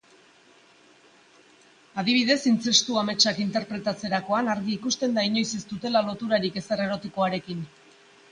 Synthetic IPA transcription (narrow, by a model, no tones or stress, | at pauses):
að̞iβ̞iðe̞sint͡se̞st̪uame̞t͡ʃakint̪e̞ɾpɾe̞t̪at͡se̞ɾako̞anaɾɣiːkust̪e̞nd̪aiɲo̞jse̞st̪ut̪e̞lalo̞t̪uɾaɾike̞sere̞ɾo̞t̪iko̞aɾe̞kin